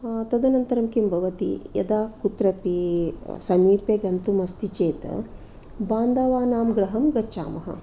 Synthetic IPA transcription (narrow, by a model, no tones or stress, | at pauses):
t̪ɐd̪ɐnɐnt̪ɐɾɐmkimbʱɐʋɐt̪ḭjɐ̰d̪aːkut̪ɾɐpisɐmiːpjɐɡɐnt̪umɐst̪it͡ʃeːt̪ɐ̰ | baːnd̪ɐʋaːnaːmɡɾɐɦɐmɡɐːt͡ʃa̰ːmɐɦɐ̰